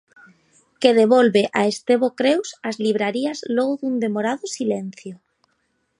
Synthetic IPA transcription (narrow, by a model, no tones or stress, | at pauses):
keðeβɔlβeʔaest̪eβokɾewsazliβ̞ɾaɾiɐzloɣʊðund̪emoɾaðʊsilen̟θjʊ